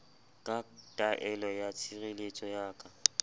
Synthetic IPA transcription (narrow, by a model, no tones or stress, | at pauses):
kʼatʼaʔɛlɔjat͡sʰirelet͡ʃʼɔjaːkʼa